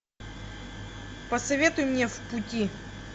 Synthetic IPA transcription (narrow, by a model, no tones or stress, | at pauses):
pəsɐvʲe̞t̪ʊjʊmnʲe̞fpʊtʲi